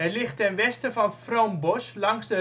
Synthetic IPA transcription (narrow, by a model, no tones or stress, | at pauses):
ɛlɪxtɛnʋɛstəfɔnfromboslɑŋsdə